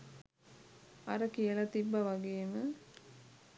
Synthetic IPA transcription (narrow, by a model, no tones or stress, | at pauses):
ɐɾɐkijɐlɐt̪ibːɐʋɐɡejmə